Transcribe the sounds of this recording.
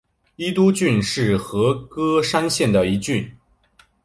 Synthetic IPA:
i˥t̪u˥t͡ɕy˥˧nʂɻ̩˥˩xɤ˧˥kɤ˥ʂa˥nɕjɛ˥˩nd̪ə˩i˧˥t͡ɕy˥˩n

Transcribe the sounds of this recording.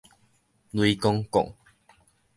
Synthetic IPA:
lwi˧kɔ˦ŋkɔ̰˨ŋ

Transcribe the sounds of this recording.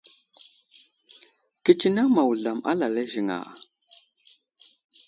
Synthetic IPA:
ki˦t͡ʃi˦na˦ma˨wu˨ɮa˨ma̰˦la˨la˦ʒi˨ŋa̰˨

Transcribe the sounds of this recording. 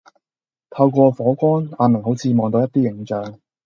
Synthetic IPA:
t̪ʰɐ˧wkʷɔː˧fɔː˨˥kʷɔː˥naː˨˧nmɐ˨˩ŋɦo˨˥wt͡sʰiː˨˧mɔː˨ŋt̪o˧wjɐ˥t̪iː˥jɪ˨˩ŋt͡ʃœː˨ŋ

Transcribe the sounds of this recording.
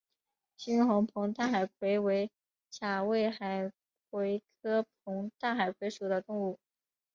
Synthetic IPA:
ɕi˥nxʊ˧˥ŋpʰɤ˧˥ŋt̪a˥˩xa˨˩ɪkʰwe˧˥ɪwe˧˥ɪ | t͡ɕʰja˨˩we˥˩ɪxa˨˩ɪ | kʰwe˧˥ɪkʰɤ˥p̚ʰʊ˧˥ŋt̪a˥˩xa˨˩ɪkʰwe˧˥ɪʂu˨˩d̪ə˦t̪ʊ˥˧ŋu˥˩

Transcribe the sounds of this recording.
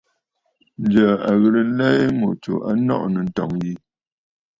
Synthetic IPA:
n̩˦d͡ʒə˨a˨ɣə˨lə˨˦lɛ˦mo˨t͡ʃo̰˨ʔa̰˦nɔ̰˦ʔnə˨n̩˨tɔ̰˨ŋji˦

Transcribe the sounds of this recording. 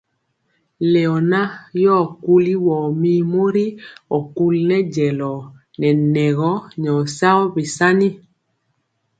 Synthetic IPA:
le˨ɔ˨na˦jɔː˦˨ku˦li˦wɔː˨mi˦mo˦ɾi˦ɔ˨ku˦lnɛ˦d͡ʒɛ˨lɔ˨ | nɛ˨nɛ˨ɣɔ˦ɲɔ˨sa˦ɔ˦be˨sa˦ni˦

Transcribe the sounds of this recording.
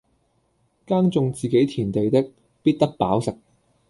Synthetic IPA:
kaː˥ŋt͡sʊ˨˧ŋt͡siː˨ke˨˥jt̪ʰiː˨˩nt̪e˨jt̪ɪ˥k̚ | piː˥t̪̚t̪ɐ˥k̚pa̰ː˨˥wsɪ˨k̚

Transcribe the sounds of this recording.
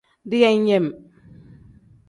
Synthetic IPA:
di˦ja˦ɲe˦˨m

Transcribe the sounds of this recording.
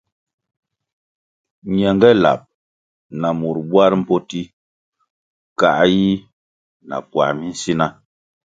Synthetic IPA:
ɲɛ˨ŋɡɛ˦la̰˨p̚ | na˨mu˨ɾbwa˦ɾm̩˦pɔ˦ti˦ | ka̰˨ʔji˦ | na̰˨pwa̰˨mi˦n̩˦si˦na˦

